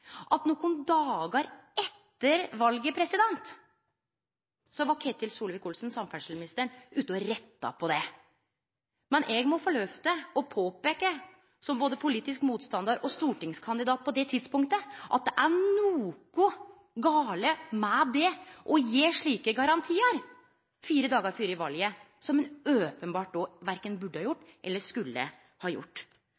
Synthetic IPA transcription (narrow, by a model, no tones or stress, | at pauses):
ʔɑt̪nɔkːʊnd̪ɑːɡəɾɛt̪ːəɾʋɑlɡəpʰɾɛsɪd̪ɛnt̪ | sɔʋɑkʰɛt̪ːɪlsuːləʋɪkuːlsn̩sɑmfæʂlmɪnɪst̪əɳʉːt̪əɔɾɛt̪ːɑ̰pʰɔd̪ɛ | mɛnʔɛɡmɔfɔɭøːft̪əɔpʰoːpeːkə | sɔmboːd̪əpʰʊliːt̪ɪskmuːt̪st̪ɑnd̪ɑɾʔɔst̪uːʈɪŋskʰɑnd̪ɪd̪ɑːt̪̚pʰɔd̪ɛt̪ʰɪd̪spʊŋkt̪əʔɑt̪̚d̪ɛʔæɳuːkʊ | ɡɑːləmɛd̪ɛʔɔjeːʂɭiːkəɡɑɾɑnt̪ʰiːəɾ | fiːɾəd̪ɑːɡəɾfyːɾɪʋɑljə | sɔmɛnøːpənbɑːʈ̚d̪ɔʋæɾkənbʉɖːəhɑjʊʈːʔɛlːəʂkʉlːə̰ | hɑːjʊ̰ʈː